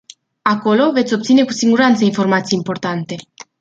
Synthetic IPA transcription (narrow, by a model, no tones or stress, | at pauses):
ako̞lo̞ve̞t̪sʲo̞p̚t̪sine̞ku̥siŋɡuɾant̪səinfo̞rmat̪sijimpo̞rt̪ant̪e̞